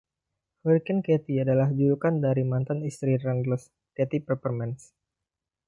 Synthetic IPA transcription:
huɾkɛnkɛt̪iadalahd͡ʒuɾukandaɾimant̪anist̪ɾirandləs | kɛt̪ipərpərmɛns

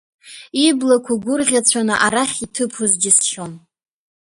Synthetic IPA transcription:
iblakʷʰaɡʷʊrʁʲat͡sʷʰanɨʔaɾaχʲitʰɨpʰuzd͡ʒɪsʃon

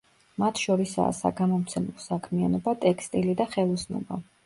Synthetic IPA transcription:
mat̪ʰʃɔɾisa̰ːsaɡamɔmt̪sʰɛmlˠɔsakʰmianɔbat̪ʼɛkʰst̪ʼilid̪aχɛlˠɔsnɔ̰ba̰

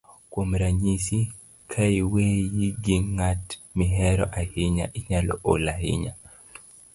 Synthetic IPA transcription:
kwomɾaɲisi | kʰaiwejiɡiŋatmiɦɛɾɔ̰ʔahiɲa̰ʔiɲalɔ̰ʔolahḭɲa̰

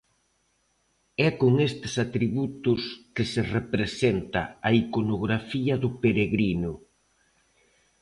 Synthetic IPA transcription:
ɛkoŋest̪ɪ̥sat̪ɾiβut̪ʊskɪserepɾesent̪ɐ̰ɐikonoɣɾafiɐðʊpeɾeɣɾinʊ

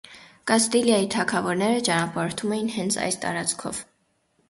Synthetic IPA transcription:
kɑst̪iljɑjit̪ʰɑkʰɑvɔɾnɛɾət͡ʃɑnɑpɑɾɔɾt̪ʰumɛjinhɛnt͡sʰɑ̰jst̪ɑ̰ɾɑt͡skʰɔ̰v

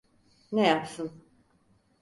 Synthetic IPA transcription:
nejapsɯn

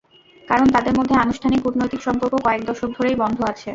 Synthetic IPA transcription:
kaɾont̪ad̪eɾmod̪ʱːeanuʃʈʰanikpuɾnojt̪ikʃɔmpoɾkokɔek̚d̪ɔʃok̚d̪ʱoɾejbɔnd̪ʱoat͡ɕʰe

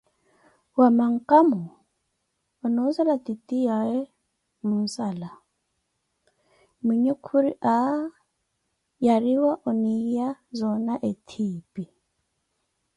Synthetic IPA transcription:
wamaŋ̩kʼamu | nun̩salatʼitʼijaɛ | mun̩sala | miɲukʰuɾiʔa | jaɾiwaʔɔnijazɔnaʔetʰiːpʼi

